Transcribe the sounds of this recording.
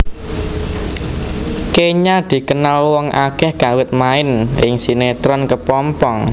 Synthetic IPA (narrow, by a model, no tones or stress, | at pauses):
keɲad̪̥i̤kənalwɔŋʔakɛhɡ̥a̤wɪt̪̚maɪnɪŋsinet̪ɾɔnkəpɔmpɔŋ